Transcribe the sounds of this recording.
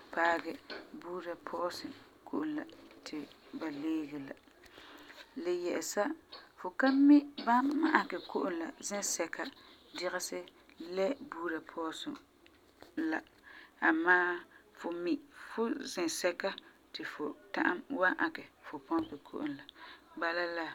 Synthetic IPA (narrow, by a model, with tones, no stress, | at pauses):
paː˦ɡɛ˨buː˦ɾa˨pʰɔ˦sɪ˨ | kʰo˦ʔʊ˨nla̰˨tʰɪ˨ba˨leː˦ɡɛ˨la̰˨ | lɪ˨jɛ˨lɪ˨sa˦fʊ˨ka˦mɪ˦ba˦ma˦ʔa˨kɛ˨ko˦ʔʊ˦nla˨zɪ̃˦sɛ˨ka˦ | dɪ˦ɣɪ˦sɪ˦ | lɛ˦buː˦ɾa˨pʰɔ˦sʊ̰˨ | la˨ | a˨maː˦fʊ˨mi˨fʊ˦zɪ̃˨sɛ˦ka˦ | tɪ˨fʊ˨ta̰˦ʔa˦mwa˦ʔa˨kɛ˨fʊ˨pɔ̃˦pɪ˨kʰo̰˦ʔʊ̰˨n˨la˨ba˦la˦la˦